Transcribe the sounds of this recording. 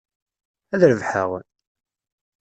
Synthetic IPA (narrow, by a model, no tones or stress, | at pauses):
æðɾəvħə̰ʁ